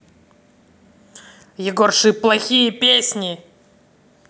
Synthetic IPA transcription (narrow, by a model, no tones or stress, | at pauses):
jɪɡorʂɨplˠɐxʲijəpʲesʲnʲɪ